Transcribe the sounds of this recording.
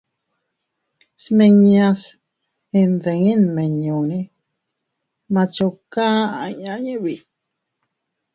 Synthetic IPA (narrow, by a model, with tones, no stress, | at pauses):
smẽ˧ɲĩ˧ã˧s | hẽ˧nd̪e˨ŋẽ˦nmẽ˨ɲõ˨nẽ˦ | mã˧t͡ʃo˧kã˦a˧˨ɲã˧ɲə̃˦βi˨